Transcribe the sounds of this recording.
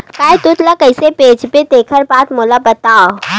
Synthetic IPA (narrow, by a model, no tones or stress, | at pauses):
kaːjt̪ʊt̪lakəɪsepeːd͡ʒpet̪eːkʰəɾbaːt̪moːlabɐt̪aːo